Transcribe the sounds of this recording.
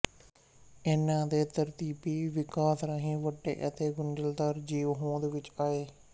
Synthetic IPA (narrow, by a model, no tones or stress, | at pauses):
eːnãːd̪eːt̪əɾt̪iːpiːʋɪkaːsɾaːɦĩːʋəʈːḛːʔət̪eːɡʊɳɖəld̪aːɾd͡ʒiːʋɦõːd̪eːʋɪt͡ʃaːeː